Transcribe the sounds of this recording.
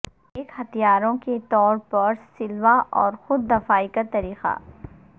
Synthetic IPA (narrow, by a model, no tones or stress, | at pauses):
eːkhɐt̪ijaːɾõket̪ɔːɾpɐɾsɪlʋaʔɔːɾxʊd̪ːɐfaːikat̪ɐɾiːqa̰ː